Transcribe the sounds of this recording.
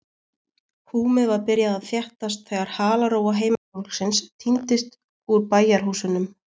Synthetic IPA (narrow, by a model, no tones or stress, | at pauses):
huːmɪvaɾpɪɾjaðaðθjɛht̪ast̪θɛːɣaɾ̥haːlaɾoːwaɦeːjmafowl̥ksɪnst̪ʰint̪ɪst̪ | uɾpaːjaɾ̥hɦuːsʏnʏm